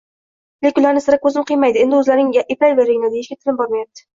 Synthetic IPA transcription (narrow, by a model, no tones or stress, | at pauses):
lekʲʊlˠaɾnɪsɪɾakʰːɵzɪmqʰɨjmajd̪ɪe̞nd̪ɪɵzlaɾnɪŋʔepʰajvajɾeɡɪnad̪ajeʃʲat̪ʰɪlɪmbɒɾmajap̚t̪ʰɪ̥